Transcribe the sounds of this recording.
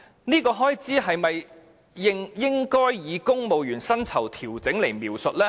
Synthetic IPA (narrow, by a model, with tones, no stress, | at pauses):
niː˥kɔː˧ɦɔː˥jt͡siː˨˥ɦɐ˨jmɐ˨j | jɪ˥ŋjɪ˥ŋkɔː˥jːiː˨˧kʊ˥ŋmo˨˧wjyː˨˩nsɐ˥nt͡sʰɐ˨˩wt̪ʰiː˨˩wt͡sɪ˨˥ŋle˨˩jmiː˨wsɵ˨t̚lɛː˥